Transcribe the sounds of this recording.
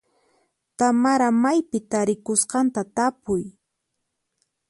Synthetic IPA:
t̪amaɾamajpɪt̪aɾɪkʊsqɑnt̪at̪apʊj

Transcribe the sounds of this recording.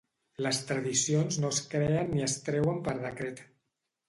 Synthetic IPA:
ləst̪ɾəðisionznoəskɾeənːiəst̪ɾɛwəmpəɾð̞əkɾet̪

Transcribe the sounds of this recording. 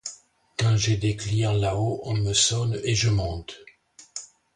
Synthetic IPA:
kɑ̃ʒed̪ekliʁlaoʔɔ̃məsɔneʒəmɑ̃t̪

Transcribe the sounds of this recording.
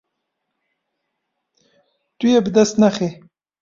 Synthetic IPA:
t̪ujebd̪asnaxe

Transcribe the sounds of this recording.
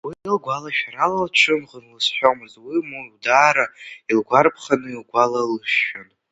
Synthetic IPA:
winɨlɡʷalaʃᶣaɾalalt͡ʃʰɨnʁənlɨsħʷᶣomɨzwimuwdaːɾailɡʷarpʰχanɨilɡʷalalɨʃʊn

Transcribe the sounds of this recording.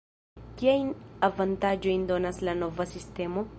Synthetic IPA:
kiajnavantad͡ʒo̞jndo̞naslano̞vasiste̞mo̞

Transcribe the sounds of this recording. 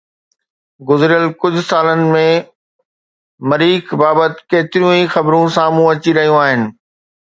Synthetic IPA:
ɡʊzɾijəlkʊd͡ʑʱʊsaːlənɪ̆mẽ | mɐɾiːkbaːbət̪keːt̪ɪɾijũixɐbɾũsaːmũɐt͡ɕiɾɐɦijũaːɦɪnɪ̆

